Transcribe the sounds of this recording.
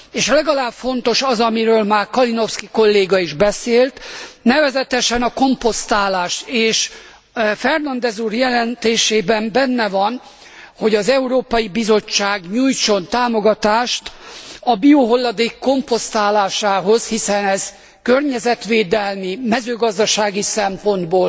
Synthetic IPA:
eːʃlɛɡɒlaːbfo̞nt̪o̞ʃɒzɒmiɾøːlmaːrkɒlino̞fskiko̞lːeːɡɒiʒbɛseːlt̪nɛvɛzɛt̪ɛʃɛnɒko̞mpo̞st̪aːlaːʃt̪eːʃ | fɛrnɒnd̪ɛzuːrjɛlɛnt̪eːʃeːbɛmbɛnːɛvɒn | ho̞ɟɒzɛuɾoːpɒjibizo̞t͡ʃːaːɡɲuːjt͡ʃo̞nt̪aːmo̞ɡɒt̪aːʃt̪ɒbioɦo̞lːɒd̪eːkːo̞mpo̞st̪aːlaːʃaːɦo̞zhisɛnɛz̥ | kørɲɛzɛt̪ʋeːd̪ɛlmimɛzøːɡɒzd̪ɒʃaːɡisɛmpo̞nd̪boːl

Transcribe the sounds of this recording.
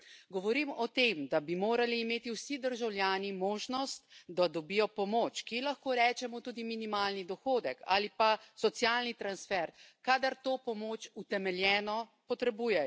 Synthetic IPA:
ɡɔʋɔɾimɔt̪emd̪abimoːɾaliːmeːt̪iwsid̪əɾʒawlʲjaːnimoːʒnɔst̪d̪ad̪ɔbiːjɔpɔmoːt͡ʃkilaxkoːɾɛːt͡ʃɛmɔt̪uːd̪iminimaːlnid̪ɔxoːd̪ɛkʰa̰lipasɔt̪sjaːlnit̪ɾansfɛɾkaːd̪aɾt̪oːpɔmoːt͡ʃut̪ɛmɛljɛːnɔpɔt̪ɾɛbuːjɛj

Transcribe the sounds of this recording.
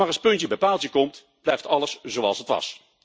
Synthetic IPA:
aːrəspɵntjəbəpaːlˠtəkɔmt | b̥lɛjftɑləszoɑlˠsətʋɑ̰s

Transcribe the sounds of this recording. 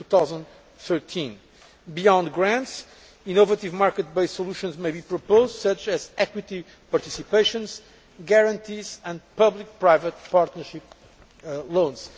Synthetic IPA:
tuθawzə̃nd̪ | θɜɹt̪ʰĩn | biɔ̃nd̪ɡɹæ̃nts | inovət̪ivmaɹkət̪̚beɪssɔlˠuʃɔ̃nzmeɪbipɹɔpoʊzdsʌt͡ʃɛzɛkwit̪i | paɾt̪isipeɪʃɔ̃nz | ɡɛɹɐ̃nt̪ʰizɨ̃nd̪pʌblik̚pɹajvət̪̚paɾt̪nə˞ʃip̚ | lõnz̥

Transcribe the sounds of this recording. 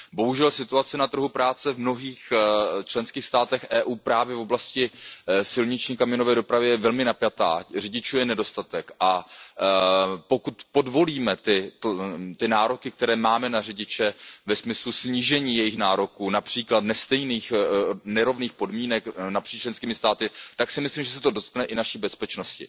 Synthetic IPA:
bo̞ɦuʒɛlsɪt̪uat͡sɪnat̪r̩ɦupɾaːt͡sɛvmno̞ɦiːxt͡ʃlɛnskiːxst̪aːt̪ɛxʔɛːʔuːpɾaːvjɛvo̞blascɪsɪlɲɪt͡ʃɲiːkamɪonovɛːdo̞pɾavɪjɛjɛvɛlmɪnapjat̪a̰ːrɪɟɪt͡ʃuːjɛnɛdo̞st̪at̪ɛkʔa | po̞kut̪po̞dvo̞liːmɛt̪ɪ | t̪ɪnaːɾo̞kɪk̚t̪ɛɾɛːmaːmɛnarɪɟɪt͡ʃɛvɛsmɪslusɲiʒɛɲiːjɛjɪxnaːɾo̞kuːnapr̥iːklat̪nɛst̪ɛjniːxnɛɾo̞vniːxpo̞dmiːnɛknapr̥iːt͡ʃlɛnskiːmɪst̪aːt̪ɪt̪aksɪmɪslimʒɛs̬ɛt̪odo̞t̪knɛʔɪnaʃiːbɛspɛt͡ʃno̞scɪ̰

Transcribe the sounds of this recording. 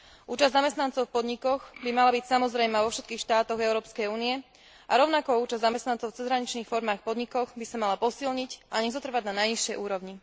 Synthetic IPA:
ʔuːt͡ʃazd̪zamɛst̪nant͡sɔʊfpɔd̪ɲikɔɣbimalabicsamɔzɾɛjmaʋɔfʃɛt̪kiːxʃt̪aːt̪ɔɣɛʊɾɔːpskɛjuːniɛ | ʔaɾɔʊnakɔuːt͡ʃazd̪zamɛst̪nant͡sɔʊft͡sɛzɦɾaɲit͡ʃniːxfɔɾmaːxpɔd̪ɲikɔxbisamalapɔsilɲicʔaɲɛzɔt̪r̩ʋaɟnanajɲiʃɪɛjʔuːɾɔʋɲi

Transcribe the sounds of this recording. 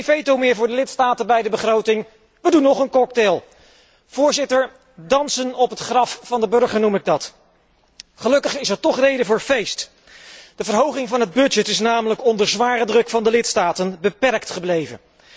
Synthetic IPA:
nfejtowmɪːɹvʊːɹdəlɪtstaːtənbɛjdəbəχrowtɪŋ | ʋədunːɔχənkɔk̚telˠ | v̥ʊːɹzɪtəɹ | dɑnsənɔpɦətχrɑffɑndəbɵɹχəɹnumɪɡ̚dɑt | χəlɵkəχɪsəɹtɔχrejdəvʊːɹvejst | d̥əvəɹɦowχɪŋvɑnɦəd̚bɵd͡ʒətɪsnaːmələkɔndəɹzʋaːrədrɵkfɑndəlɪtstaːtənbəpɛɹktχəblejvə̰n

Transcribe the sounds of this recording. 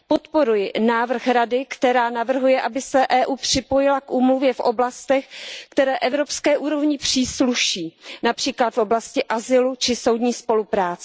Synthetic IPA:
po̞t̪po̞ɾujɪnaːvr̩xɾadɪkt̪ɛɾaːnavr̩ɦujɛʔabɪsɛʔɛːʔuːpr̝̥ɪpo̞jɪlakʔuːmluvjɛfʔoblast̪ɛxkt̪ɛɾɛːʔɛvɾo̞pskɛːʔuːɾo̞vɲɪpr̝̥iːsluʃiːnapr̝̥iːklat̪fo̞blascɪʔazɪlut͡ʃɪso̞wdɲiːspo̞lupɾaːt͡sɛ̥

